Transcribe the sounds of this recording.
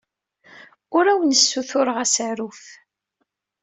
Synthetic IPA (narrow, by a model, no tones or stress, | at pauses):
ʊɾæwənəsːuθʊɾəʁæsaɾuf